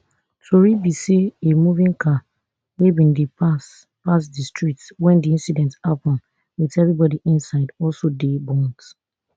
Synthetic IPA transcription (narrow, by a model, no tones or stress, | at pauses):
toɹibiseemuvĩŋkʰa | webĩndipas | pasdistɹitwɛ̃ndiĩnsidɛ̃ntapɔ̃n | witɛvɹibɔdiʔĩnsaɪdɔlsodebɔ̃nd